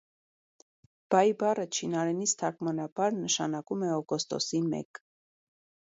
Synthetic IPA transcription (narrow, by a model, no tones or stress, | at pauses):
b̥ɑjbɑrət͡ʃʰinɑɾɛnist̪ʰɑkmɑnɑbɑɾnəʃɑnɑkumɛɔɡɔst̪ɔ̰simɛ̰k